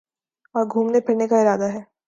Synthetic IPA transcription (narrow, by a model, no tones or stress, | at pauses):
ɔːɾɡʱuːmnepʰɪɾnekaɪɾaːd̪aɦɛː